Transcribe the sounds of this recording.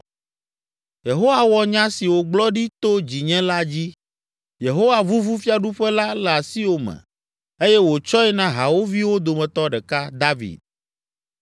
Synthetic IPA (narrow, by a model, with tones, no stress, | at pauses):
je˨ɦo˦wa˦wɔ˨ɲã˦si˨wo˨ɡ͡blɔ˦ɖi˦t̪o˦d͡ʑi˨ɲɛ̃˦la˦d͡ʑi˦ | je˨ɦo˦wa˨vu˦vu˦fi˦a˦ɖu˦ɸɛ˦la˦lɛ˨a˨si˦wo˦mɛ̰̃˨ | e˦jɛ˦wo˨t͡ʃɔ˦ɛ˦nã˦ɦa˨wo˦vi˦wo˦d̪o˨mɛ̃˨t̪ɔ˦ɖɛ˨ka˦d̪a˦vḭ˨d̪̚